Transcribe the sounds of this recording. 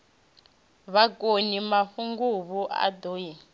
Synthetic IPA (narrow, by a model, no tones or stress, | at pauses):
βakʼonimaɸuŋɡuβuʔa̰doːji